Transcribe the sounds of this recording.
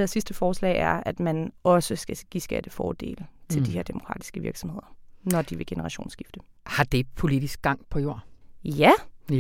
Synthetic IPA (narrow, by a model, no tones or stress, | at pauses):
æɐsisd̥əfɒːslɛ̰ːɪæɐæd̥mænɒ̽səsɡ̥æɡ̥ḭsɡ̥æ̰d̥əfɒːd̥e̝̰ːlət͡sʰe̝ld̥iheɐ̰d̥e̝mokʰʁɑ̰̈ːd̥i̥sɡ̥əʋiɐɡ̥sɒ̽mhe̝ð̰ˠɐnɒd̥iʋe̝ɡ̥e̝nəʁɑ̈ɕo̝̰ːnsɡ̥ifd̥ə | hɑ̈d̥e̝pʰo̝lid̥isɡ̥̚ɡ̥ɑ̈ŋ̰pʰɒ̽jo̝̰jæ